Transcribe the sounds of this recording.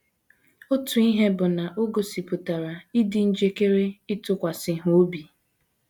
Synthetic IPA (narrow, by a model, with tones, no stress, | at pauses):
o˦tu˨i˦ɦe˦bʊ˨na˨ʔo˦ɡo˨si˨pʊ˨ta˨ɾa˨i˦dɪ˨n̩˦d͡ʒe˦ke˦ɾe˦ɪ˦tʊ˦kʷa˨sɪ˨ɦo˦bi˨